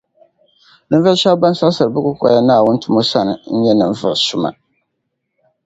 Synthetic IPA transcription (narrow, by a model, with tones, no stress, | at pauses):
nɨ˦ɱ˦vɨ˦lʃa˦bba˦n˦sa˦lsɨ˨ɾɨ˨bɨ˦kʊ˦kɔ̰˨ja˦naː˦˨wʊ˦ntʰʊ˦mo˦sa˦nɨ̰˨n̩˦ɲɛ˦nɨ˨ɱ˦vɨ˨lsʊ˦ma̰˨